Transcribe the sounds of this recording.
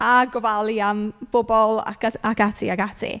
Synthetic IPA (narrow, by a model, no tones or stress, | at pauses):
aɡɔvalˠiamb̥ʊbɔlˠa̰kakatʰḭaɡatʰḭ